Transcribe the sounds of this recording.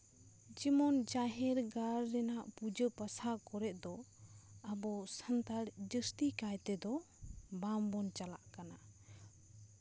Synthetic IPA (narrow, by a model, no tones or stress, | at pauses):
d͡ʒimɔnd͡ʒaɦɛɾɡaɾːɛnaʔpud͡ʒəpasakɔɾɛʔ̪̚ˀd̪ɔ | əbɔsənt̪aɽd͡ʒəst̪ikajt̪ɛd̪ɔ | bambɔnt͡ʃala̰ʔkana